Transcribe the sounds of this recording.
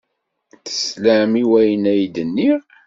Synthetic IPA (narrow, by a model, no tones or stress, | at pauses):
θə̥slæmiwæjənæjd̪ənːiʁ